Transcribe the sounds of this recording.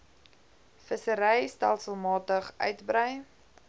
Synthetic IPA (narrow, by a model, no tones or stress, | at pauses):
fəsəɾɛjstæ̰lˠsəlˠmɑːtəχœ̰ɥtbrəj